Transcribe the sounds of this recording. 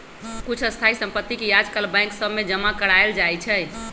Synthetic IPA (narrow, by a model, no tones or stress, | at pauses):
kut͡ʃʰəst̪ʰaisə̃mpət̪ːikejad͡ʒkalbãj̃ŋksəbmed͡ʒəmakəɾaeld͡ʒajt͡ʃʰə